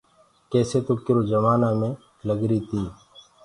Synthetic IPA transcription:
kɛːseːt̪oːkɪɾoːd͡ʒəmaːnaːmẽː | ləɡɾiːt̪iː

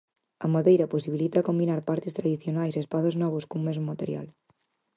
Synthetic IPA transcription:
ɐ̰moðejɾɐposiβilit̪akombinaɾpaɾt̪ɪst̪ɾaðiθjonajsespaðoznɔβ̞oskoŋmezmomat̪eɾja̰l

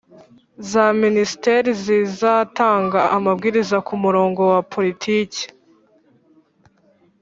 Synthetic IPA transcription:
zaministeɾizizataːŋɡaʔamabɡiːɾizakumuɾo̞ːŋɡo̞wapʰo̞ɾitʰiːci̥

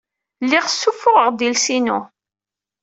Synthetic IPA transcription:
lːɪʁsːufːʊʁəʁd̪ilsinu

